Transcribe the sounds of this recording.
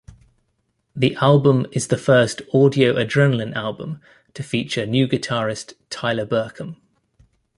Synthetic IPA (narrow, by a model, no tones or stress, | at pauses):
ðiʔalˠbə̃mɪzðəfɜˑstɔːdiəʊʔədɹɛ̃nələ̃nalˠbə̰̃m | tʰəfiˑt͡ʃənjʉːɡɪtʰɑːɹɪstʰaɪləbɜˑkʰə̃m